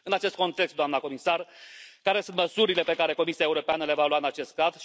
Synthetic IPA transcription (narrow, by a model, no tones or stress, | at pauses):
ɨnat͡ʃest̪̚ko̞nt̪e̞kst̪d̪oamnako̞misarkaɾe̞sɨnt̪məsuɾile̞pe̞kaɾe̞ko̞misiaeuɾo̞peanəle̞valwaɨnat͡ʃe̞st̪̚kaz